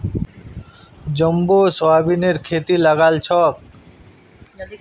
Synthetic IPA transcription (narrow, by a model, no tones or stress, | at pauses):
d͡ʑɔmbosɔabineɾkʰet̪ilaɡalt͡ɕʰɔk̚